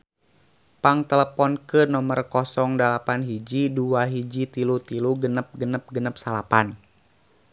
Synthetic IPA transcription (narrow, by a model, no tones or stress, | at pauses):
paŋt̪ələpɔnkɨnɔmərkɔsɔŋdalapanɦid͡ʒiduaɦid͡ʒit̪ilut̪iluɡənəp̚ɡənəp̚ɡənəp̚salapan